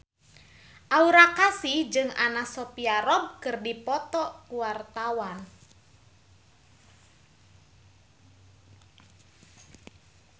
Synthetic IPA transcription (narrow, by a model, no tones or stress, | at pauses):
ʔauɾakasihd͡ʒɨŋanasɔpiaɾɔb̚kɨrdipɔt̪ɔkuwart̪awan